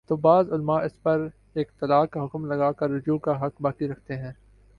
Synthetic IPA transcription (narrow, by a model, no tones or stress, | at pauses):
t̪oːbaːzʊlmaʔɪspɐɾ | eːk̚t̪ɐlaːkːaɦʊkmlɐɡaːkɐɾːʊd͡ʒuːkaɦɐkbaːkiɾɐkʰt̪eɦɛ̃ː